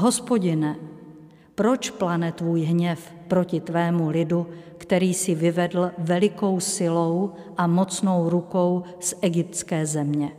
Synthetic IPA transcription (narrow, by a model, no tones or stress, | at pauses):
ɦo̞spo̞ɟɪnɛ | pɾo̞t͡ʃplanɛt̪vuːjɦɲɛf | pɾo̞cɪt̪vɛːmulɪdu | kt̪ɛɾiːsɪvɪvɛdl̩vɛlɪko̞wsɪlow | ʔamo̞t͡sno̞wɾuko̞w | sʔɛɡɪp̚t̪t͡skɛːzɛmɲɛ